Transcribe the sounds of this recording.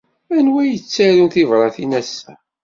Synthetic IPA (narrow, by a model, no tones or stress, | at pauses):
ænwæjət͡sːæɾunθivɾˤɑθinæsːæ